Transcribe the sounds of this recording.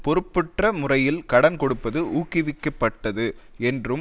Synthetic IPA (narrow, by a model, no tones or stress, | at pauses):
pɔɾɯpːɯʈrɐmʊrɐjɪlkɐɽɐnkɔɽɯpːɐðɯʔuːkːɪʋɪkːɐpːɐʈːɐðɯɛndrɯ